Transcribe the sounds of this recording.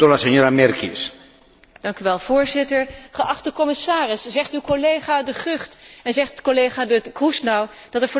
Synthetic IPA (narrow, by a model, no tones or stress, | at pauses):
olaseɲoɾamɛɾkis | d̥ɑŋkyʋɛlˠv̥ʊːɹzɪtəɹχəʔɑχtəkɔmɪsaːrɪsz̥ɛχtywkolejχaːdəχøχtɛnzɛχtkolejχadəkrusnaw | d̥ɑtɛɹvɔ